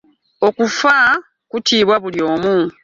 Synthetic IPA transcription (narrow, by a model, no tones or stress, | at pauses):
o̞kufa | kutʰiːβwaβuljo̞ːmu